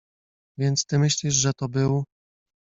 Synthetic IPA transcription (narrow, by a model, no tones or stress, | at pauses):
vʲjɛnt̪st̪ɘmɘɕlʲiʂʐɛt̪ɔbɘw